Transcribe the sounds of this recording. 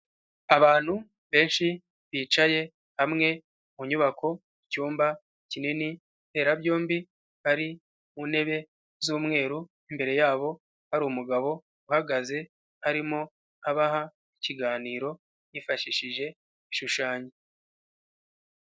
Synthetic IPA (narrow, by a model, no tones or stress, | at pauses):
aβaːn̥hu | βe̞ːnʃi | βiːt͡ʃaje̞ | hamŋe̞ | muɲuβakʰo̞ | icuːmba | icinini̥ | te̞ːɾabjo̞ːmbi | βaɾi | mune̞βe̞ | zuːmŋe̞ːɾu | imbe̞ɾe̞jaːβo̞ | haɾuumuɡaβo̞ | uhaɡaze̞ | haɾimo̞ | aβaɦa | iciɡaːniːɾo̞ | jifaʃiʃiʒe̞ | iʃuʃaːɲe